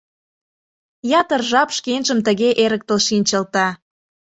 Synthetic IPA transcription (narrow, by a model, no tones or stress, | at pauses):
jɑt̪ərʒɑpʃkenʒəmt̪əɣeʔeɾək̚t̪əlʃinʲt͡ɕəlt̪ɑ